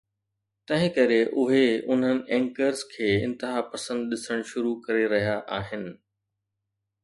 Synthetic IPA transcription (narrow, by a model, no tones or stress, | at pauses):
t̪ɐ̃ɦɪ̃kɐɾeʔʊɦeʊn̤ənɪ̆ʔɛ̃ːŋkəɾzkʰeːɪ̰̃nt̪ɪɦaːpɐsə̃nd̪ɗɪsəɽ̃ʃʊɾukɐɾeɾɐɦijaʔaːɦɪnɪ̆